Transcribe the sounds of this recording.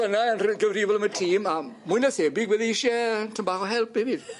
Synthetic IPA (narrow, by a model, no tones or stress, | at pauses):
ənaənrɡəvrivɔlˠəmətʰiːmamujnaseːbɪɡwɛðiɪʃɛtʰəmbaːχɔɦɛlˠpɛviːd